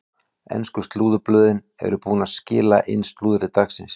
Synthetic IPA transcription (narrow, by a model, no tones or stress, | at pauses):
ɛ̰nskʏst̪luːðʏplœːðɪn | ɛ̰ɾʏpuːnascɪːla̰ʔɪnst̪luːðʏɾɪt̪aksɪ̰ns